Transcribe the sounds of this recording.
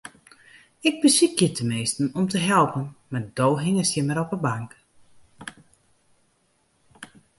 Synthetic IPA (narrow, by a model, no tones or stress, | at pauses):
ɪɡ̚bəsik̚jɪtʰəmeːstn̩ɔmtəɦɛlˠpənmadoːɦɪŋəsjɪməɾɔpəbaŋk